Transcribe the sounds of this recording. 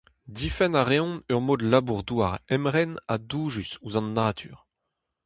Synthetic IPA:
d̪ifɛnaʁeɔ̃nœʁmoːd̪labuʁd̪waʁɛmʁɛnad̪uːʒysuzɑ̃nːat̪ʰy̰ːʁ

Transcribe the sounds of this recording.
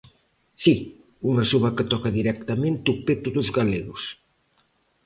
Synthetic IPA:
si | uŋɐsuβɐkət̪ɔkɐðiɾɛkt̪amẽnt̪upet̪uðʊzɣaleɣʊs

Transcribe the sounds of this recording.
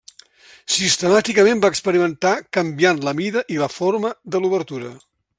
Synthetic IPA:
sist̪əmat̪ikəmẽmbaəkspəɾimənt̪akəmbjanləmiðəʔiləfoɾməðəluβ̞əɾt̪uɾə

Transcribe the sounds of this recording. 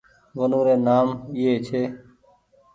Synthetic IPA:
ʋənũːɾeːnaːmɪeːt͡ʃʰeː

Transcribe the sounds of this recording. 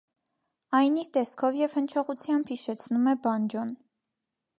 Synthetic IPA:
ɑjniɾt̪ɛskʰɔvjɛv̥hənt͡ʃʰɔʁut͡sʰjɑmbhiʃɛt͡sʰnumɛbɑnd͡ʒɔn

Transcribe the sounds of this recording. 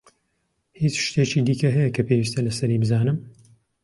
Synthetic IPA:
hit͡ʃʃt̪eːt͡ʃiːd̪iːkɐɦɛjɛkʰɐpʰewist̪ɐlɐsɐɾiːbɨzaːnɨm

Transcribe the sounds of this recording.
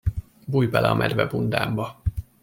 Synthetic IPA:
buːjbɛlʔɛɒmʔɛd̪vɛbund̪aːmbɒ

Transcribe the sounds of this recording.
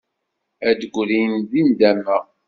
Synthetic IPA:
æd̪əɡʷlijnzind̪æmːəʁ

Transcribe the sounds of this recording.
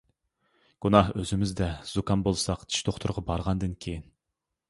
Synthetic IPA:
ɡ̥unɑhøzɪmɪzd̪ɛz̥ukʰɑnbolˠsɑqd̪ʰi̥ʃt̪ʰoχt̪ʰʊɾʁɑbɑɾʁɑnd̪ɨnkʲʰejin

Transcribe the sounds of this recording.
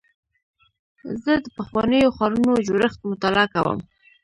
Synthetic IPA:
zəd̪əpaxwɑnəjoxɑɾunod͡ʒoɾəxt̪̚mʊt̪alɑkawə̰m

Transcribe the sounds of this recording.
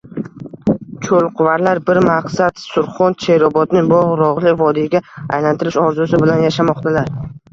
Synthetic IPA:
t͡ʃʰolˠqʰʊvaɾlaɾbɪɾmaqsat̪sʊɾχɒnt͡ʃʰe̞ɾɒbɒd̪nɪŋbɒʁɾɒʁlɪvɒd̪iɡʲaa̰jlant̪ʰɪɾɪʃɒɾzʊsɪbɪlanjaʃamɒqt̪ʰalaɾ

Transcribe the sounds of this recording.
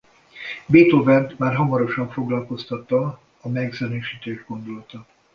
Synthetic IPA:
beːt̪ovɛnt̪maːrɦɒmɒɾo̞ʃɒɱfo̞ɡlɒlko̞st̪ɒt̪ːɒː | mɛɡzønøːʃiːt̪eːʒɡo̞nd̪olɒt̪ɒ

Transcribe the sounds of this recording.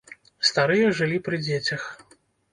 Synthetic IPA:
st̪aɾɨjɛʐɨlʲipɾɨd͡zʲet͡sʲɐx

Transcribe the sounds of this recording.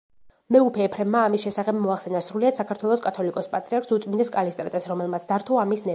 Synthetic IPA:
mɛupʰɛːpʰɾɛmːaːmisʃɛsaχɛbmɔaχsɛnasɾuliad̪sakʰaɾt̪ʰwɛlˠɔskʼat̪ʰɔlikʼɔspʼat̪ʼɾiaɾkʰsut̪sʼmind̪ɛskʼalist̪ʼɾa̰t̪ʼɛsɾɔmɛlˠmat̪sʰd̪aɾt̪ʰɔamisnɛ

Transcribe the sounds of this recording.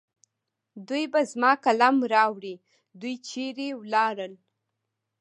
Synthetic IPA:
d̪ujbazmɑkalɑmɾɑwɾi | d̪ujt͡ʃeɾewlɑɾəl

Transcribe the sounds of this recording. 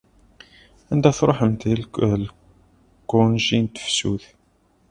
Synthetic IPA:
ænd̪æθɾˤoħəmt̪ill | kːʊnʒint̪ə̥fsṵθ

